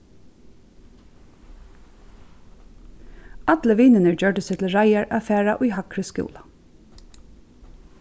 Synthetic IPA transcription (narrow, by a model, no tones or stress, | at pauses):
ɑt̪ləʋiːnɪnəɹd͡ʒœɹʈəsɛt̪ʰl̩ɹajaɹʔafæːɹa̰ʔʊjɦɑkɾəskṵːla